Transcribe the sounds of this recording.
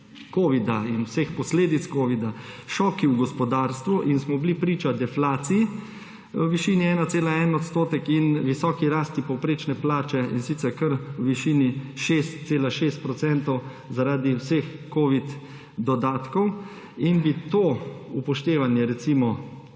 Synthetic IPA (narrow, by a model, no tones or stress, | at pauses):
koːʋid̪ainwsexpɔsleːd̪it̪skoːʋid̪aʃɔːkiwɡɔspɔd̪aːɾst̪ʋuʔinsmɔblipɾiːt͡ʃad̪ɛflaːt̪siji | əʋiʃiːniɛːnat̪seːlaɛːnɔt̪st̪oːt̪ɛkinʋisɔːkiɾaːst̪ipɔwpɾeːt͡ʃnɛplaːt͡ʃɛḭnsit̪sɛɾkəɾwʋiʃiːniʃest̪seːlaʃeːst̪̚pɾɔt̪sɛnt̪ɔw | zaɾaːd̪iwsexkoːʋit̪ | d̪ɔd̪aːt̪kɔw | inbit̪oːupɔʃt̪eːʋanjɛɾɛt̪simɔ